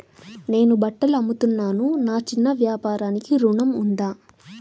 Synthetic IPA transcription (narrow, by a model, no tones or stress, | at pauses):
ne̞ːnubɐʈːɐlɐmːut̪unːaːnunaːt͡ʃinːɐʋjaːpaːɾaːnikiɾuɳɐmund̪aː